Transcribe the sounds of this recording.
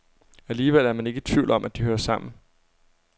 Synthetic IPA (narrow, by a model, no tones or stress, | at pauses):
æliːʋel̰æɐmæne̝ɡ̥ət͡sʰʋ̥iʊlɒ̽mʔæd̥ihøːɐsɑ̈m̰n̩